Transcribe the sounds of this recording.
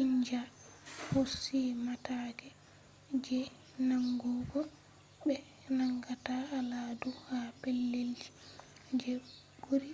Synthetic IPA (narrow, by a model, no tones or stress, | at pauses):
iɲd͡ʒahosːimataɡɛ | d͡ʒɛ | naŋɡɔɡɔ | bɛ | naŋɡataaladuhapelːeld͡ʒi̥ | d͡ʒɛ | ɡoɾi